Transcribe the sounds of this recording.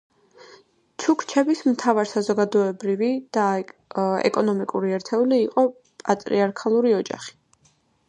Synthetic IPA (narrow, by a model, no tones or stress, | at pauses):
t͡ʃʰukʰt͡ʃʰɛbismt̪ʰavaɾsazɔɡad̪ɔɛbɾivid̪̥a | ɛ̰kʼɔnɔmikʼuɾiɛɾt̪ʰɛuliːqʼɔ | pʼat̪ʼɾiaɾkʰalˠuɾiɔd͡ʒa̰χi̥